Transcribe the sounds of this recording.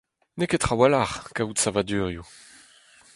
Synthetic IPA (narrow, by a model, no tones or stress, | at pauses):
neket̪χawalaʁkautsavad̪yːʁju